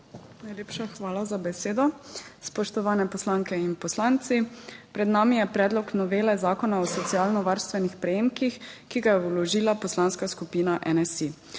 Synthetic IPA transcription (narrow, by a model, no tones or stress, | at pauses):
najleːpʃaxʋaːlazabɛseːd̪ɔspɔʃt̪ɔʋaːnɛpɔslaŋkɛinpɔslaːnt̪sipɾɛd̪naːmijɛpɾɛːd̪lɔknɔʋeːlɛzaːkɔnaɔsɔt̪siaːlnɔʋaɾst̪ʋɛnixpɾɛjeːmkixkiɡajɛwlɔʒiːlapɔslanskaskupiːnaʔɛnɛsi